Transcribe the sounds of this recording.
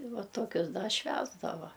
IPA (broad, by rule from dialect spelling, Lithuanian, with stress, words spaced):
ɪ ˈʋɐ ˈtoːkʲʊs dɐ ˈʃʲʋʲæːzdɐʋɐ